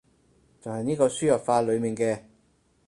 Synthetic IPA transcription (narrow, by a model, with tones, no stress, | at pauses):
t͡sɐ˨whɐ˨jniː˥kɔː˧syː˥jɐ˨˩p̚faː˧lɵ˨˧ɥmiː˨˩nkɛː˧